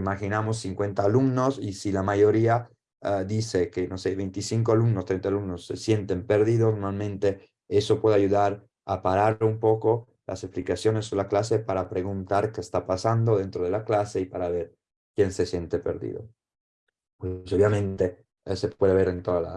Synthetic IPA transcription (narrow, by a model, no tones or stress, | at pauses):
imaxinamosːiŋkwent̪aːlumnosisilamajoɾia | d̪isekenoseβejnt̪isiŋkoalumnost̪ɾent̪alumnosːḛsjent̪empeɾðiðosnoɾmalmẽnt̪e | esopweðeaʝuðaɾ | apaɾaumpoko | lʔa̰sesplikasjones̬ːoelaklasepaɾapɾeɣunt̪aɾkest̪apasand̪oðent̪ɾoðelaklaseipaɾaβeɾ | kjensesjent̪epḛɾðḭðo | pwesoβjamẽnt̪e | sepweðeβeɾent̪oðala̰